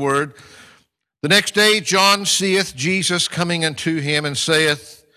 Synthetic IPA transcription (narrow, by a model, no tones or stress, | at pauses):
wɜ˞d̪̚ | ðɨnɛksd̥eɪd͡ʒɑ̃nsiɨθd̥ʒ̥izɨskʰʌmɪ̃ŋʌ̃ntʰʉɪ̃mɨ̃nseɪɨθ